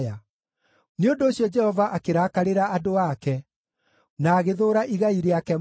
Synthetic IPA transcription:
a | neondoːɕjɔd͡ʒɛhɔvaʔakeɾakaɾeɾaːdowakɛ | naːɣeðoːɾaʔiɣaiɾeakɛ

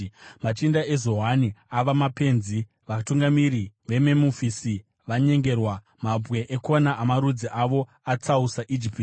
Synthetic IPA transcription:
mat͡ʃindae̞zo̞ɦaniaʋamape̞nzi | ʋatuŋɡamiɾiʋe̞memufisi | ʋaɲe̞ŋɡe̞rwa | mabwe̞ʔekonaʔːmaɾud͡ziʔaʋo̞ | at͡sausaʔid͡ʒipt

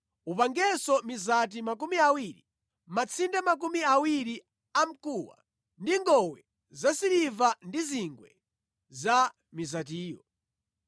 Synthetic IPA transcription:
upaŋɡɛsɔmizat̬imak̬umiawiɾi | mat͡sʰindamak̬umiawiɾi | am̩kuwa̰ | ndiŋɡɔwɛ | zasiɾivandiziŋɡwɛ | za | mizatiːjɔ̰

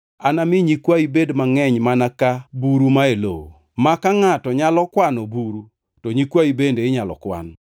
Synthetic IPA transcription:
anamɪɲikwaibedmaŋɛɲmanakabuɾumaelo̰o | makaŋatɔɲalɔkwanobuɾu | tɔɲikwaibendeɪɲalɔ̰kwa̰n

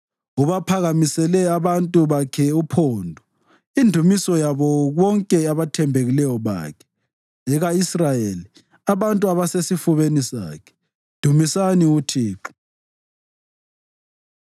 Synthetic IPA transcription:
uβapʰaɣamisɛlɛaβantʼuβakʰɛupʰoːndʱɔ | indʱumisɔjaβɔɣɔŋkʼɛaβatʰɛmbʱeɣilɛjɔβa̰ːkʰɛ̥ | ɛɣaisrajeːli | aβantʼuaβasesifuβenisa̰ːkʰɛ̥ | d̥ʱumisaniutʰiːǁ

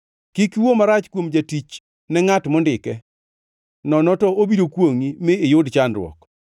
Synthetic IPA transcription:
kikiwomaɾat͡ʃkwomd͡ʒatit͡ʃ | nɛŋatmɔndɪkɛ | nɔnɔtɔobidokwoŋimɪːjʊdt͡ʃandɾwɔ̰k

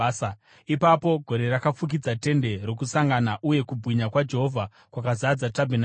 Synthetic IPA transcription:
sa | ipapo̞ɡʱo̞ɾe̞rakap͡fuk̬id͡zate̞nde̞ro̞kusaŋɡanaʔuje̞kubʱwiɲakwad͡ʒe̞ɦo̞vʱa | kwakazad͡zatabʱen

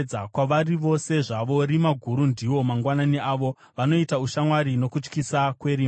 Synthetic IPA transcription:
akwaʋariʋo̞se̞ʐaʋo̞ɾimaɡʱuɾundiwo̞maŋɡwananiaːʋo̞ | ʋano̞itauʃamwaɾino̞kut͡ʃkisakwe̞ɾiː

